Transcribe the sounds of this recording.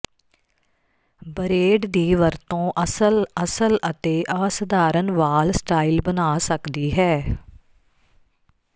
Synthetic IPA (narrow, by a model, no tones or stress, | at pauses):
bəɾeːɖd̪iːʋəɾt̪õːʔəsələsələt̪eːʔaːsəd̪aːɾənʋaːlsʈaːilbənaːsəkd̪iːɦɛː